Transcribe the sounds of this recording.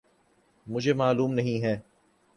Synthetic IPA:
mʊd͡ʒʱemaːluːmnɐɦĩɦɛː

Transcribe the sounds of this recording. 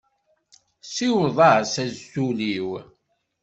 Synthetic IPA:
siwðˤɑsæzːuliw

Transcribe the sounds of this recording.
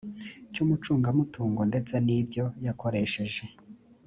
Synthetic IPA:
cumut͡ʃuːŋɡamutʰuːŋɡonde̞t͡sanibɟo̞jako̞ɾe̞ʃe̞ʒe̞

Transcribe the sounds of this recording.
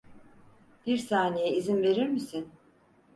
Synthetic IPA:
b̥iɾsaːnejɛizinve̞ɾiɾmisin

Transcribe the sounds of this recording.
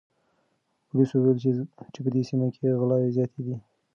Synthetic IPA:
pʊliswuwelt͡ʃepəd̪esimakʰeɣlɑwezjɑt̪ʰed̪i

